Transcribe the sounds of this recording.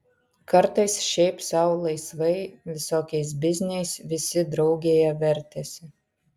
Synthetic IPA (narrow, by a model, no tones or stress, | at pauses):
kɐɾt̪ɐɪsʃʲɛɪpsɑʊlˠɐɪsʋɐjʋʲɪsoːkʲɛjs̬bʲɪzʲnʲɛjsʋʲɪsʲɪd̪ɾɐʊɡʲeːjɛʋʲɛɾʲt̪ʲɛsʲɪ